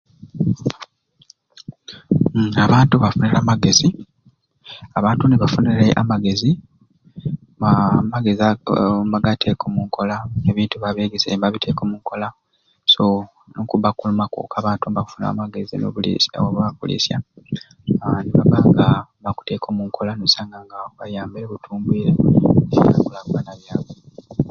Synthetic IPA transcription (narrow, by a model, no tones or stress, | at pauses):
aβaːntuβafunelaːmaɡe̞zi | aβaːntuneβafuneɾeʔamaɡe̞zi | amaɡe̞ziambaɡatʰe̞ːkʰo̞muŋkʰo̞laeβiːntuβaβeːɡesembaβitʰe̞ːkomuŋkʰo̞la | so | nokuβakulumako̰kʰaβaːntumbaku̥funa̰maɡe̞zino̰βulḭsa̰woβakṵlḭsja̰ | niβaβaːŋɡaβaku̥te̞ːkʰo̞muŋkʰo̞lanosaːŋɡaŋɡaβajaːmbiɾeβutʰuːmbwiːɾe̞sḭa̰kulakuwanaβjaːwwe